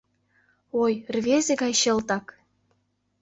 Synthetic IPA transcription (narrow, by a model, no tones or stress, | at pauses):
ojrβʲezĕɡɑjɕə̆lt̪ɑk